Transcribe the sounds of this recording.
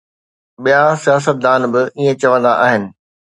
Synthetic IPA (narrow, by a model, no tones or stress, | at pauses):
ɓijasijaːs̬ət̪̚d̪aːnbɪiːẽt͡ɕɐʋə̃nd̪aʔaːɦɪnɪ̆